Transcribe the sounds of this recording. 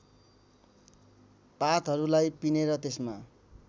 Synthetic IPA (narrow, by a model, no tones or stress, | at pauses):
pat̪ɦʌɾulajpineɾʌt̪esma